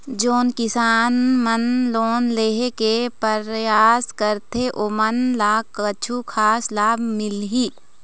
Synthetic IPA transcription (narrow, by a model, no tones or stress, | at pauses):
d͡ʒoːnkɪsaːnmənloːnleːɦekepəɾjaːskəɾt̪ʰeʔoːmənlaːkət͡ʃʰukʰaːslaːbmɪlɦi